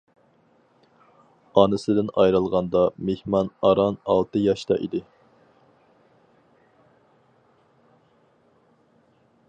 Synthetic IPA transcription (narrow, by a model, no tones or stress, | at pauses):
ɑːnɨsɪd̪ɪnɑjɾɨlˠʁɑnd̪ɑmehmɑnɑɾɑnɑlˠt̪ɨjɑʃt̪ɑ̰ʔḭd̪ɪ